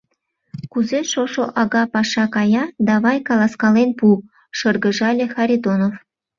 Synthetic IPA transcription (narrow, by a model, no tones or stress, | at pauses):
kuzeʃoʃoʔɑɣɑpɑʃɑkɑjɑd̪ɑβɑjkɑlɑskɑlenpu | ʃɤrɣə̆ʒɑlʲexɑɾʲid̪onof